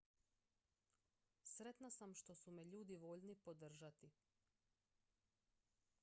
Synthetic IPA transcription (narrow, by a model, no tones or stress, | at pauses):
sɾe̞t̪nasamʃt̪o̞sumeʎuːd̪iʋoʎnipo̞d̪r̩ʒat̪i